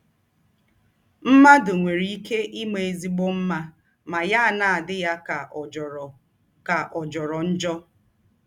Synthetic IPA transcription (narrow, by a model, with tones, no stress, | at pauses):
m̩˦ma˦dʊ˨ŋʷe˨ɾi˦i˦ke˦ʔɪ˦me˨e˨zi˦ɡ͡bo˦m̩˦ma˦ | ma˨ja˦a˨na˨a˨dɪ˦ja˦ka˨ | ka˨ʔɔ˨d͡ʒɔ˨ɾɔ˨n̩˦d͡ʒɔ˦